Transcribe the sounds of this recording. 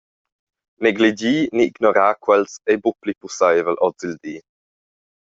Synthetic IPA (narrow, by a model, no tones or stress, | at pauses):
nɛɡlid͡ʒiːniːɡnɔɾaːkwɛlsejbuplipusajvəlʔɔd͡zild̪iː